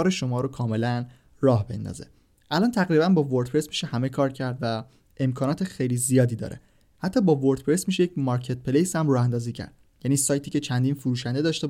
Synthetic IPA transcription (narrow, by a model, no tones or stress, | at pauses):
ɒːɾeʃo̞mɒːɾokʰɒːme̞læn | rɒːhbe̞̰nd̪ɒ̰ːzḛ | ʔælɒːnt̪ʰæɣɾibænbɒːvoɾt̪̚pʰɾesmiːʃehæme̞kʰɒːɾcʰæɾd̪væ | e̞mkʰɒːnɒːt̪ʰexejlizijɒːd̪iːd̪ɒ̰ːɾʔḛ | hæt̪ʰːɒːbɒːvoɾd̪pʰɾe̞smiːʃejecmɒɾcʰe̞t̪̚pʰelejshæmrɒːhænd̪ɒːziːcʰæ̰ɾd̪̚ | jæniːsɒːjt̪ʰiːcʲe̞t͡ʃʰænd̪infoɾuːʃænd̪e̞d̪ɒːʃt̪e